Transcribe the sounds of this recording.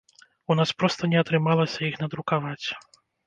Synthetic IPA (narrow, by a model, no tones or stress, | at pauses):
unaspɾɔst̪ɐnʲɛɐt̪ɾɨmalˠɐsʲɐixnɐd̪ɾukavat͡sʲ